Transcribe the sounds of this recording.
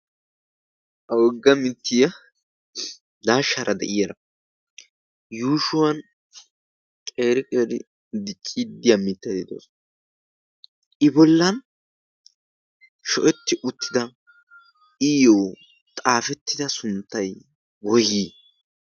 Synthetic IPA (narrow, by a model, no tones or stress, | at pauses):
ʔɐwɔɡːɐmɪt̪ːɪjɐ | d̪aːʃɐɾʔɐd̪ɛ̰ʔɪjɐɾɐ | juːʃʊwɐn | kʼeːɾɪkʼeːɾɪ | d̪ɪt͡ʃʼːid̪ːɪjɐmɪt̪ːɐd̪ɪd̪o̰ːs | ʔɪbɔlːɐn | ʃɔʔɛt̪ːɪʔʊt̪ːɪd̪ɐ | ɪjoː | t̪ʼaːfɛt̪ːɪd̪ɐsʊnt̪ːɐj | bɔji